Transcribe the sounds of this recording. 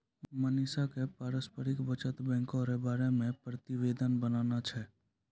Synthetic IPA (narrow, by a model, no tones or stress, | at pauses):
məniːsakepaːɾəspəɾɪkbət͡ʃət̪bɛ̃ːŋkõɾebaːɾemẽpɾət̪ɪʋeːd̪ʱənbənaːnat͡ʃʰɛː